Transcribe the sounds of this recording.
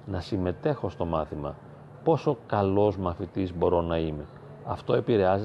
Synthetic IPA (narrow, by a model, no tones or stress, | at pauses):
nɐsime̞t̪e̞xo̞st̪o̞mɐθimɐ̰ | po̞so̞kɐlo̞zmɐθit̪izbo̞ɾo̞nɐime | ɐft̪o̞e̞piɾe̞ɐze